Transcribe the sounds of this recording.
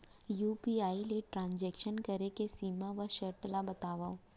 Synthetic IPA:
juːpiːaːileʈɾãːnd͡ʒɛːkʃənkɐɾekesiːmãʋɐʃɐɾt̪labɐt̪aːʋaːo

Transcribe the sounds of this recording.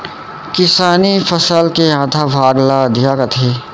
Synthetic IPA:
kɪsaːnipʰəsəlkejãːt̪ʰabʱaːɡlaəd̪ʱjaːkət̪ʰe

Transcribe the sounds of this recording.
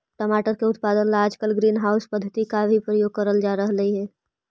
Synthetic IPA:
ʈəmaːʈəɾkeʊt̪̚paːd̪ənlaːd͡ʒkəlɡɾiːnɦaːʊspəd̪ʱːət̪ikabʱipɾəjoːɡ̚kəɾəld͡ʒaːɾəɦləiɦɛː

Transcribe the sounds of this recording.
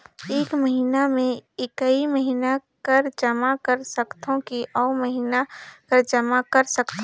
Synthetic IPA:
eːkməɦiːnamẽɪkəiməɦiːnakɐɾd͡ʒɐmakəɾsəkt̪ʰõkiʔɔːɾməɦiːnakəɾd͡ʒɐmakəɾsəkt̪ʰ

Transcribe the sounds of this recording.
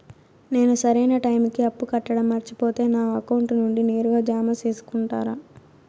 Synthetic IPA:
ne̞ːnusɐɾɐjnɐʈɐjmikiɐpːukɐʈːɐɽɐmːɐɾt͡ʃipo̞ːt̪e̞ːnaːɐkɐwuɳʈnuɳɖine̞ːɾuɡaːd͡ʒaːmat͡ʃe̞ːsu̥kuɳʈaːɾaː

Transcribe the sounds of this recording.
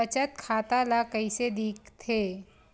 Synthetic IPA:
ɐt͡ʃət̪̚kʰaːt̪alakəised̪iːk̚t̪ʰeː

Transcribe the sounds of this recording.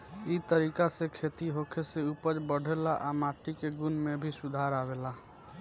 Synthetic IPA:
it̪əɾikasekʰet̪iɦokʰeseupəd͡ʒbəɽ̤ʱelaʔamaʈikeɡunmebʱisud̪ʱaɾabela

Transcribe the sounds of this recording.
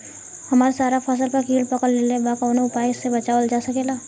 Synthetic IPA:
hɐmaːɾasaːɾapʰəs̬əlpɐɾkiːlpɐkəllelebakɔːnoʊpaːjɪsːebɐt͡ʃaːəld͡ʒaːsɐkeːlaː

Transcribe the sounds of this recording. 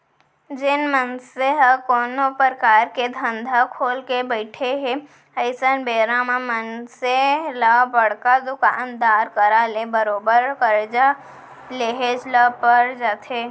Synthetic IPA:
d͡ʒɪnmənseɦəkoːnopəɾəkaːɾked̪ʱə̃nd̪ʱakʰoːlkebəɪʈʰeɦe | ɐɪsənbeːɾãmamənselabəɽ̤kad̪ʊkaːnd̪aːɾkəɾalebəɾoːbəɾkəɾd͡ʒa | leɦed͡ʒləpəɾd͡ʒaːt̪ʰeː

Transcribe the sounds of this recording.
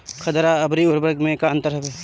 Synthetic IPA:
kʰɐt̪ɾaɐbɾiʊɾbəɾɡmẽkãnt̪əɾɦɛbeː

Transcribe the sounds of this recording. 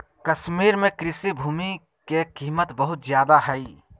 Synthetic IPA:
kɐʃmiːɾmẽkɾɪsibʱuːmi | kekiːmət̪bəɦʊt̪zjaːd̪aɦɛi

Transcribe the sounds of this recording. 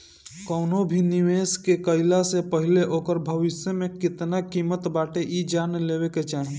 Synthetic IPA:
kəʊnobʱiniʋeskekəɪlasepəɦileʔokəɾbʱəʋɪsjəmekɪt̪nakimət̪baʈeʔid͡ʒanlebeket͡ʃaɦe

